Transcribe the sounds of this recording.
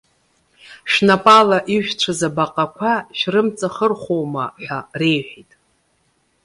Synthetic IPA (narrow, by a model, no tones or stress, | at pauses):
ʃnapʼalaʔiʒʷᶣʈ͡ʂʷʰazabaqʼakʷʰaʃrɨmt͡sʼaχərχʷowmaħᶣare̞jħᶣajtʼ